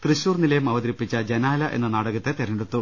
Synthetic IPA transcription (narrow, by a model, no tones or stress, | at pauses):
t̪riɕuːrnilɐjumɐʋɐd̪ɐɾipːit͡ɕːɐd͡ʑɐnaːlɐʔe̞nːɐnaːɽɐɣɐt̪ːe̞t̪eɾɐneɽut̪ːu